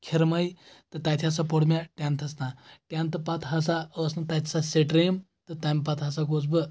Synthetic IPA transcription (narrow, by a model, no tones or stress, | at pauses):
kʲʰiɾmɐjt̪ɨt̪ajt̪ʰʲasapoɽmʲaʈʲãnt̪ʰɐsnaʈʲjãnt̪ɐpat̪ɦasaəsnat̪ajt̪ʰi̥saseʈɾem | t̪ɨt̪ɐmpat̪ɦasaɡot͡s̬bə